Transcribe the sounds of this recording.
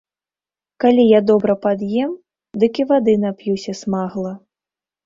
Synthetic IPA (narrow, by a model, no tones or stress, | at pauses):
kalʲijad̪ɔbɾɐpad̪jɛm | d̪ɨkʲivad̪ɨnapjusʲɐsmaɣlˠɐ